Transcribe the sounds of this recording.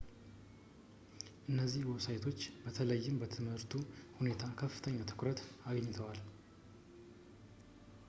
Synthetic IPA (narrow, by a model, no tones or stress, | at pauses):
ʔɨnːəzːihwɔβsajt̪ʰo̞t͡ʃːbət̪ʰələjːɪmbət̪ʰɨmhɨɾt̪ʰuhune̞t̪ʰakʰəfːɨt̪ʰəɲːat̪ʰɨ̥kɾət̪aɡəɲːɪt̪ʰəwal